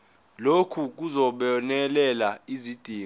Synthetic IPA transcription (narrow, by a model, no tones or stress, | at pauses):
lokʰuk̬uzɔɓɔnɛlɛlaizid̥ʱiː